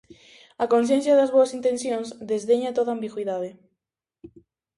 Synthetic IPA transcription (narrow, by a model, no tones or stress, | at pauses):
ɐkonθ̬jẽn̟θjaðɐzβoɐsint̪enθjõnzd̪ezðeɲat̪oðambiɣwiðaðe